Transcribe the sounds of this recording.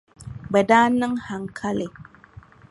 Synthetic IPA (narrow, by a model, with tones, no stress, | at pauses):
bɛ˨daː˦nɨ˦ŋha˨ŋkʰa˦lɪ˨